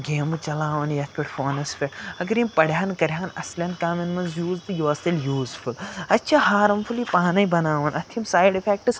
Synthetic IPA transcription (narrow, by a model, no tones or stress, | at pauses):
ɡeːmut͡ʃɐlaːʋɐnjɐɐt̪ʰpɐʈfoːnɐsfeɐɡɐɾjimpɐɽjaːnkɐɾʲjaːnɐ̰slʲɐːnkaːminmɐnzjuːzt̪ɨjoːɐst̪eljuːzfʰulɐtːt͡ʃʰahaːɾɐmfʰulipaːnɐjbɐnaːʋɐnɐt̪ʰimsaːjɖifʰeːk̚ʈɨs